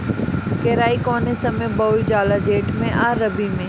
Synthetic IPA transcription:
keːɾaːikɔːnesɐmẽbɐːid͡ʑaːlad͡ʑeːʈmẽʔaːɾɐbimẽː

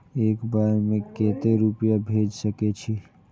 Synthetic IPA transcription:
eːkbaɾmẽket̪eɾupijabʱed͡ʒsəket͡ʃʰi

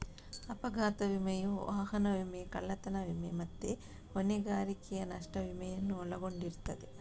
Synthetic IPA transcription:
ɐpɐɡʱaːt̪ɐʋimɐjuʋaːɦɐnɐʋimekɐɭːɐt̪ɐnɐʋimemɐt̪ːe | oneɡaːɾikɛjɐnɐʂʈɐʋimɐjɐnːuɔlɐɡo̞ɳɖiɾt̪ɐd̪e

